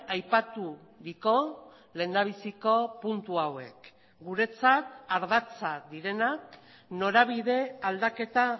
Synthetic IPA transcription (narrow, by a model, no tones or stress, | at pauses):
ajpat̪uðiko̞ | le̞ːnd̪aβ̞isiko̞punt̪uawe̞k | ɡuɾe̞t͡sat̪aɾðat͡saðiɾe̞nak | no̞ɾaβ̞iðe̞ald̪ake̞t̪a